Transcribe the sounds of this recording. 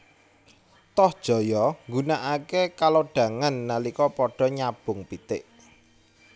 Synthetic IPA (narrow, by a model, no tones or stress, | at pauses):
t̪ɔhd̥ʒ̥ɔ̤jɔŋɡunaʔakekaloɖ̥ä̤ŋanːalikɔpɔɖ̥ɔ̤ɲab̥ʊ̤ŋpit̪ɪʔ